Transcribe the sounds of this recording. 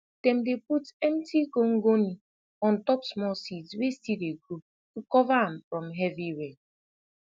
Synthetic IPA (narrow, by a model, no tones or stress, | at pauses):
tem̩deputem̩tikoŋ̩ɡoni | ɔn̩tɔpsmɔlsitwesiɾeɡɾup | kukɔvaam̩fɾɔm̩ɦɛviwe